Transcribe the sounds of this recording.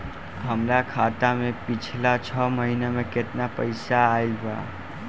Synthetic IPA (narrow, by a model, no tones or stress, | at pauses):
ɦəmlakʰat̪amẽpit͡ʃʰlat͡ʃʰəməɦinemeket̪napəɪsaːilba̰